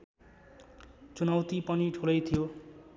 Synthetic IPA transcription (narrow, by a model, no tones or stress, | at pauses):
t͡sunawt̪ipʌniʈʰulʌjt̪ʰijo